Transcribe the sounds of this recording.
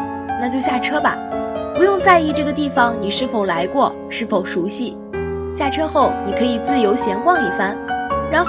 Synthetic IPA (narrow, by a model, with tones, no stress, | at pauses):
na˥˧t͡ɕjo˥˧ʊɕja˥˩ʈ͡ʂʰɤ˥bɐ̰˨˩pu˧˥jʊ˥˧ŋt͡sa˥˧ɪi˥˧ʈ͡ʂɤ˥˩ɡə˩t̪i˥˩fɑ˨˩ŋni˨˩ʂɻ̩˥˩fo˨˩ʊla˧˥ɪkwɔ˥˩ | ʂɻ̩˥˩fo˨˩ʊʂu˧˥ɕi˥˩ | ɕja˥˩ʈ͡ʂʰɤ˥xo˥˩ʊni˨˩kʰɤ˧˥i˨˩t͡sɹ̩˥˩jo˧˥ʊɕjɛ˧˥nkwɑ˥˧ŋi˥˩fa˥nɻa˧˥